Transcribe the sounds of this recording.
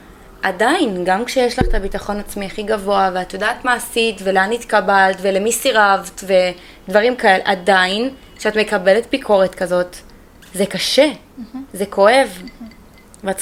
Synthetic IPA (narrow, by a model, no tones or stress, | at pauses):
ʔadajinɡamkʃejeʃlaχt̪abitaχo̞nat͡smiaχiɡavo̞aveat̪odaːt̪maːsitveleanit̪kabaltve̞lemisiʁavtve̞ | dvaʁimkae̞lḛʔadainkʃeatme̞kabe̞le̞t̪̚bikʰo̞ʁetkazo̞t | zekaʃe | ze̞kʰo̞e̞v | veat